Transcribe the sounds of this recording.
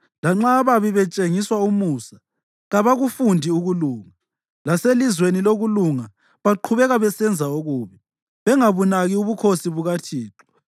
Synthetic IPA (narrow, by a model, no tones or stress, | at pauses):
laŋ͡ǁaβaβiβɛt͡ʃʼeŋiswaumuːsa | ɣaβaɣufundʱiuɣuluːŋa | laselizweniloɣuluŋa | βaǃʰuβɛɣaβɛsɛnd͡zʱaoɣuːβi | βɛŋaβunaɣiuβukʰosiβuɣatʰiːǁɔ̥